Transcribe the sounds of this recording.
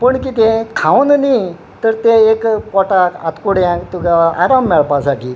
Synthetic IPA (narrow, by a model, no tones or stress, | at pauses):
pəɳkit̪ẽkʰãwnni | t̪əɾt̪ẽekpɔʈaa̰t̪koɽãt̪ukaa̰ɾamːɛɭpasaki